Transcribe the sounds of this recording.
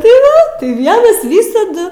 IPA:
tɐɪ ˈʋɐ ˈʋʲiɛnɐs ˈʋʲiːsɐdʊ

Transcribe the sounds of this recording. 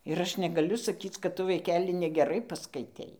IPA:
ɪr ˈɐʃ nʲɛɡɐˈlʲʊ sɐˈkʲiːt͡s kɐt ˈtʊ ʋɐɪˈkʲæːlʲɪ nʲɛɡʲɛˈrɐɪ pɐskɐɪˈtʲɛɪ

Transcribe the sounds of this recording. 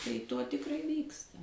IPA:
tɐɪ ˈtoː tʲɪkˈrɐɪ ˈʋʲiːkstɐ

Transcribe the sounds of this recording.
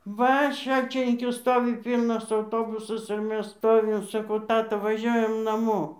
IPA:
ˈʋɐ ˈʃɐlʲt͡ʃʲɪnʲɪŋʲkʲʊ ˈstoːʋʲɪ ˈpʲiːlˠnɐs ɐʊˈtoːbʊsɐs ɪr ˈmʲɛs ˈstoːʋʲɪm sɐˈkɐʊ ˈtɑːtɐ ʋɐˈʒʲuɔjɛm nɐˈmoː

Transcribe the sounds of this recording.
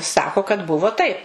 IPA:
ˈsɑːkoː kɐt ˈbʊʋoː tɐɪp

